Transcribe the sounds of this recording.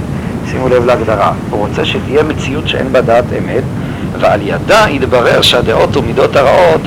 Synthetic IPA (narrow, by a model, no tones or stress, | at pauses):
simulevleaɡd̪aʁahuʁo̞t͡seʃet̪ijemet͡siutʃeḛnbadaːtʰḛmet | vealjadaid̪baʁe̞ʁʃead̪eʔo̞tomido̞taʁaʔo̞t